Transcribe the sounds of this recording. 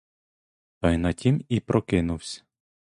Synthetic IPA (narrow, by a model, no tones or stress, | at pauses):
t̪ɐjnɐtʲimipɾɔkɪnuwsʲɐ̥